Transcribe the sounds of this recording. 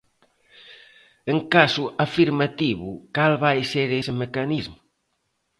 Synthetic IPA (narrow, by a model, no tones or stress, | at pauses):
eŋkasuafiɾmat̪iβṵkalβajseɾesemekanizmʊ